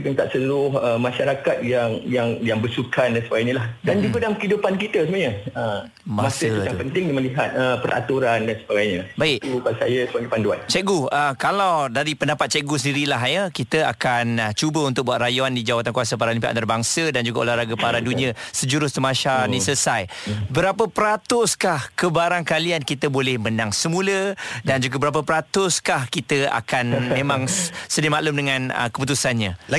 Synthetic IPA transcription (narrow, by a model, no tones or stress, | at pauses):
ikənt̪aʔ̚səlʊhəmãʃaɾakat̪̚jaŋjaŋjaŋbərsukandansəbaɡajɲə̃lahdand͡ʒuɡadalamkəidupankit̪əsəmɲəə | mamasətapənt̪ɪŋdiməliɦat̪̚əpəɾa̰t̪uɾandansəbaɡajɲəbaikt̪upalsajəsəbaŋɡapanduant͡ʃɛɡuəkalawdaɾipəndapat̪̚t͡ʃɛʔɡusəndiɾilaɦjəkit̪əa̰kant͡ʃubəunt̪ʊk̚buatʔ̪rajuandid͡ʒawat̪ankuwasapaɾalimpaʔa̰t̪arbaŋsədand͡ʒuɡao̰laɾaɡəpaɾadunĩə̃səd͡ʒuɾʊst̪umaʃanĩsəsajbəɾapəpəɾat̪ʊskahkəbaɾaŋkaliankit̪əbolɛhmənaŋsəmũlədand͡ʒuɡabəɾap̬əpəɾat̪ʊskahkit̪əa̰kanmmmẽmãŋsədimaʔlumdəŋãnə̰kəput̪̬usanɲã